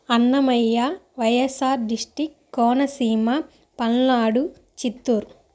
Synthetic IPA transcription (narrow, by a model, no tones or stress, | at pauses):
ɐnːɐmɐjːaʋɐjɐsaːɾɖiʂʈikːɔːnɐsiːmɐ | pɐnːaːɽu | t͡ʃit̪ːuːɾ